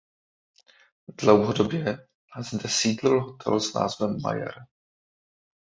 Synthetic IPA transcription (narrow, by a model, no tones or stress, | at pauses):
dlowɦodobjɛ | nazdɛsiːdlɪlɦot̪ʰɛ̰lzna̰ːzvɛmːa̰ja̰ɾ